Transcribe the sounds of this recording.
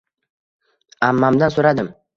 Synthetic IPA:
amːamd̪ansoɾad̪ɪm

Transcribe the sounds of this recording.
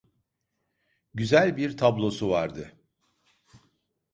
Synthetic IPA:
ɟyzælʲbiɾt̪ʰablˠo̞suvaɾd̪ɯ

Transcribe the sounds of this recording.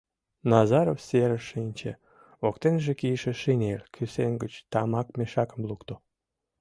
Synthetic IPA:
nɑzɑɾofseɾəʃinʲt͡ɕḛ | okt̪enʒekijəʃeʃinelkʰysenɡət͡ɕt̪ɑmɑkmeʃɑkəmlukt̪o

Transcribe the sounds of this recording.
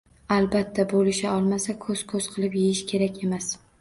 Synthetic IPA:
albat̪ʰːabolɪʃaɒlˠmasakʰɵz̥kʰɵz̥qʰɨlˠɪpjejɪʃkʲʰe̞ɾakʲe̞mas

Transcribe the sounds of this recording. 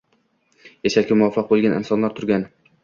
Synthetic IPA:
jeʃalkʲɪmʊafːɑq̚bolˠɡʲanɪ̰msɒnlaɾt̪ʰʊɾɡʲan

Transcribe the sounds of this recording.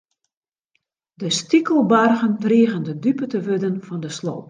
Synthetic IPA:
dəstikəlˠbarɣəntriəɣəndədypətəʋødənfɔndəslo̰ːp

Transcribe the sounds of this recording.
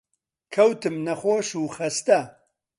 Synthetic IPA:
kʰɐwt̪ɨmnɐχoːʃuːxɐst̪ɐ

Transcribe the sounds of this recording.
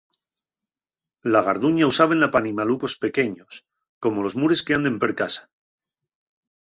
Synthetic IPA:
laɣ̞aɾðuɲausaβenlapanimaluko̞spe̞ke̞ɲo̞s | ko̞mo̞lo̞zmuɾe̞ske̞and̪e̞mpeɾkasḁ

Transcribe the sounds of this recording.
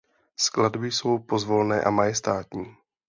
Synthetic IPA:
skladbɪjso̞wpo̞zvo̞lnɛ̰ːʔa̰majɛst̪aːt̪ɲiː

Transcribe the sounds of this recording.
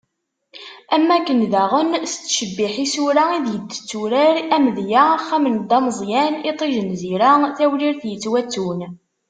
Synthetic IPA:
æmːækːənðæʁənst͡sːʃəbːiħisuɾaiðjəd̪ːə̥t͡sːuɾæɾæmðjaχːæmənd̪ɑməzˤjænit̪ˤiʒənziɾaθæwliɾθjət͡sːwæt͡sːun

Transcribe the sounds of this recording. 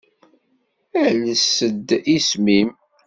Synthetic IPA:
ænəsəd̪ismim

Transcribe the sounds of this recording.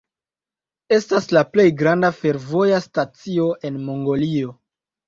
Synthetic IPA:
e̞staslaple̞jɡɾandafe̞ɾvo̞jastat͡sio̞ʔe̞nmo̞ŋɡo̞lio̞

